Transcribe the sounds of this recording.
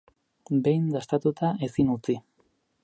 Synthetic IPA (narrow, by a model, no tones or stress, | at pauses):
be̞jnd̪ast̪at̪ut̪ae̞sinut͡si